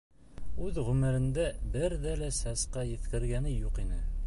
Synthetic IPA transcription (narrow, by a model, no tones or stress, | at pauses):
ʉðʁɵmɘ̆ɾɘ̆nd̪æbɘɾðælæsæsqɑjɘ̆θkɘ̆ɾɡænɘjuqinɘ